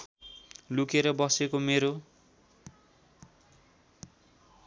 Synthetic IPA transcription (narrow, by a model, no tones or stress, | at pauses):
lukeɾʌbʌsekomeɾo